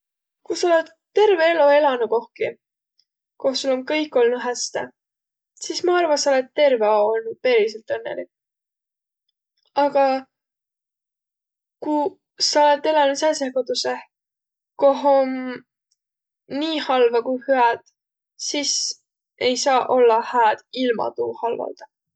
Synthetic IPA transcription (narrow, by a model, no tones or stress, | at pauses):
kusɑole̞t̪ːe̞rve̞eloe̞lɑnuko̞hki | kohsulonkɤ̞jkːˑo̞lnu̥ɦæst̪ḛ | sismɑɑrvɑsɑole̞t̪ːe̞rve̞oolnud̪̥̚pe̞ːɾiselt̪ɤnːḛli | ɑɡ̥ɑ | ku | sɑole̞t̪ːˑelɑnut̪sæsekot̪use | ko̞ɦon | iːhɑlvɑkujhyæd̪̥ | sis | e̞jsɑːʔo̞lːɑhæːd̪̥ilmɑ̰t̪uːhɑlvɑ̰ld̪̥ɑ